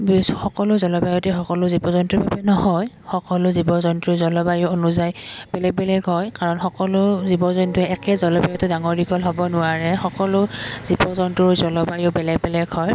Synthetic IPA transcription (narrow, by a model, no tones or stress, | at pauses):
bxɔkɔlʊzɔlɔbajɔtɛxɔkɔlʊzibɔzɔntɹɔbabɛnɔhɔj | xɔkɔlʊzibɔzɔntɹɔzɔlɔbajʊonuzajb̥ɛlɛɡ̚bɛlɛɡɦɔjkaɹɔnxɔkɔlʊzibɔzɔntɛɛkɛzɔlɔbajɔtʊdaŋɔɹdiɡɔlɦɔbɔnʊwaɹɛxɔkɔlʊz̥ibɔzɔntɹɔɹzɔlɔbajʊbɛlɛɡ̚bɛlɛɡhɔj